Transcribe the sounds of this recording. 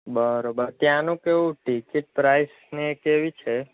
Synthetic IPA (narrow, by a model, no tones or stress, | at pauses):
bəɾobəɾt̪jãnũkeʋũʈikiʈ̚pɾajs | nekeʋit͡ʃʰe